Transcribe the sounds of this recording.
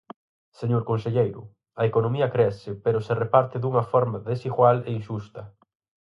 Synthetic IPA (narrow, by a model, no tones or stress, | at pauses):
seɲoɾkonseʎejɾʊ | ɐekonõmiɐkɾɛsɪpeɾoserepaɾt̪ɪðuŋɐfɔɾmaðesiɣwaleinʃust̪ɐ